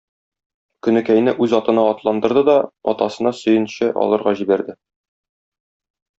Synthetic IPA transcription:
kɵ̆nɘ̆kæjnɘʔʉzɒt̪ɤ̆nɑɒt̪lˠɑnd̪ɤ̆ɾd̪ɤd̪ɒɒt̪ɑsɤ̆nɑsɵ̆jɘ̆nɕɘʔɒ̰lˠɤ̆ɾʁɑʑibæɾd̪ɘ

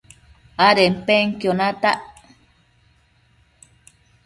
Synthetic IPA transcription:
aɾempeŋkjonat̪aʔ

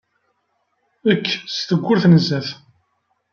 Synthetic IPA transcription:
əkːst̪əɡʷːʊɾθnəzːæθ

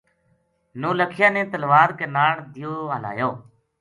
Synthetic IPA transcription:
nõːləkʰɪjãːnẽːt̪əlʋaːɾkeːnaːɽd̪ɪjoːɦəla̰ːjoː

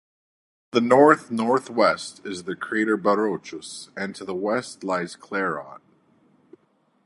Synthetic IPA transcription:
ðɨnɔɹθnɔɹθwɛstɪzðɨkʰɹ̥ieɪɾə˞bəɹoʊt͡ʃəsɨ̃ntʰɨðəwɛstˡlaɪz̥kʰl̥ɛɹɑ̰n̚

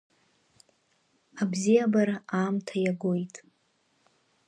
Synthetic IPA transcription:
abzijabaɾaʔaːmtʰajaɡojtʼ

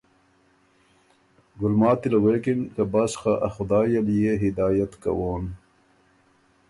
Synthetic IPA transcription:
ɡulmaːt̪ilɐweːkinkɐbasxaʔɐxud̪aːjɐlijeɦid̪aːjɐt̪kɐ̰woːn

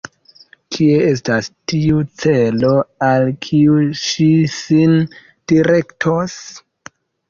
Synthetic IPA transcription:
kʰie̞es̬tastiut͡se̞lo̞alkʰiuʃisin | d̥iɾe̞ktʰos

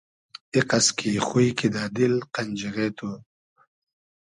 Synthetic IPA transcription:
iqaskʰixujkʰid̪aːd̪ilqanʲd͡ʒiɣet̪ʰu

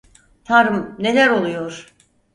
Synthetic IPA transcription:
t̪ʰaɾɯmne̞læɾo̞lˠujoɾ̥

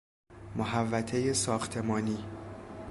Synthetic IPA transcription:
moɦævːæt̪ʰe̞jesɒːxt̪ʰe̞mɒːniː

